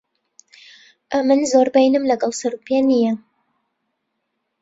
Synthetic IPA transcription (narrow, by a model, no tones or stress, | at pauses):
ʔɐmɨnzoːɾbejnɨmlɐɡɑlˠsɨɾupenijɛ